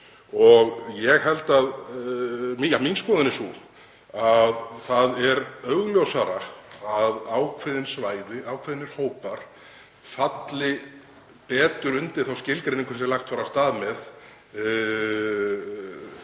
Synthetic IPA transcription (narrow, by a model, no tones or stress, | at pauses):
ɔɣjɛɣɦɛlt̪að | mijaminskɔːðɪnɪsu | aðθaðɛɾœɣljowsaɾaaðawkʰvɪðɪnsvaːjðɪawkʰvɪðɪnɪɾ̥hoːwpaɾ̥ | fat̪lɪ | pɛːt̪ʏɾʏnt̪ɪɾθawscɪlk̪ɾeneŋkvɾsɛlaxt̪faːɾast̪aːðmɛð